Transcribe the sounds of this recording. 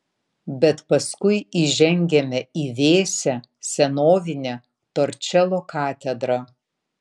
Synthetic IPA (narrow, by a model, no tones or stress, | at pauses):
bʲɛt̪pɐskʊɪiʒʲɛŋʲɡʲɛmʲɛiːʋʲeːsʲɛ | sʲɛnoːʋʲɪnʲɛ | t̪oːɾʲt͡ʃʲɛlˠoːkɑːt̪ʲɛd̪ɾɐ